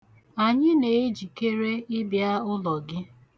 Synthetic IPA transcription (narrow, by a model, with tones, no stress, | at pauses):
a˨ɲɪ˦ne˨e˦d͡ʒi˨ke˦ɾe˦ɪ˦bja˦ʊ˦lɔ˨ɡɪ˦